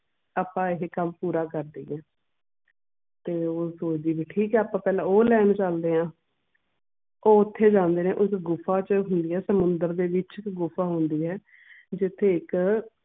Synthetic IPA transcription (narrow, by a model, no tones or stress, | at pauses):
aːpãːɪɦekəmpuːɾaːkəɾd̪iːɛː | t̪eːoːsoːt͡ʃd̪iːbiːʈʰiːkɛːaːpãːpɛːlãːoːlɛːnt͡ʃəld̪eːɦãː | oːʊt̪ʰːeːd͡ʒãːnd̪eːnẽːʔʊsɡʊfʰaːt͡ʃəɦʊnd̪iːɦɛːsəmʊnd̪əɾd̪eːʋɪt͡ʃɪkɡʊfʰaːɦʊnd̪iːɦɛː | d͡ʒɪt̪ʰːeːɪk